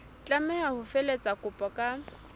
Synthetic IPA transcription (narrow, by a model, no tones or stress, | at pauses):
t͡ɬʼamɛhahʊfɛlet͡sʼakʼʊpʼɔkʼa